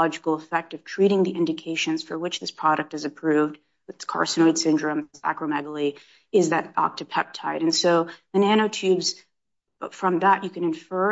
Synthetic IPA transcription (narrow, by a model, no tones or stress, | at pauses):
ɑd͡ʒɨkl̩ˠəfɛk̚tʌv̥tʰɹ̥iɾɪ̃ŋðiʔɪ̃ndɨkʰeɪʃɨ̃nz̥fə˞wɨt͡ʃðɪspʰɹ̥ɑɾɨk̚tɨzɨpʰɹ̥ʉvd̚ | ɨtskʰɑ̰ɹsɨnod̥sɪ̃ndɹɨ̃mzæ̰kɹɨmɛɡl̩ˠi | ɨɪzðɨɾɑ̰k̚tɨpʰɛp̚tʰaɪɾɨ̃nsoʊðɨnæɾ̃oʊtʰʉbz̥ | fɹʌ̃mðəʔɨkʰɨ̃nɨ̃ɱfɜ˞